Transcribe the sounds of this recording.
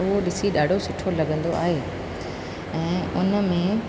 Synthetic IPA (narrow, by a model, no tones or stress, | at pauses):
ʊɦoɗɪsiɗaːɖʱosɪʈʰolɐɡə̃nd̪oʔa̰ːɦeː | ɛ̃ːʊnə̆mẽ